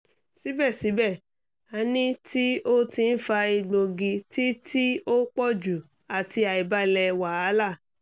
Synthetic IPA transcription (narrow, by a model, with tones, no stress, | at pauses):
si˨˦bɛ˦˨si˨˦bɛ˦˨ | a˨˧nĩ˦tʰi˦o˦tĩ˧n̩˦fa˧i˧ɡ͡bo˧ɡi˧ti˦tʰi˦o˦k͡pɔ˦˨d͡ʒu˨ | a˨ti˧a˨i˨ba˧˦lɛ˧wa˨a˨˦la˦˨